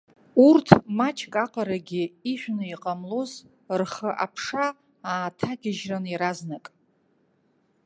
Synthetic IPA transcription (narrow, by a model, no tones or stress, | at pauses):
urtʰmat͡ʃʰkʼaqʼaɾaɡʲiiʃʷᶣnɨiqʼamloz | rχəʔapʰʂa | aːtʰaɡʲɪʒraniɾaznakʼ